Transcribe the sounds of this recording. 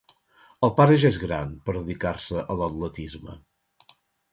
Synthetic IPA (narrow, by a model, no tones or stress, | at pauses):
əlˠpaɾəʒaezɣɾa̰npəɾðəðikarsəʔələt̪lət̪izmə̰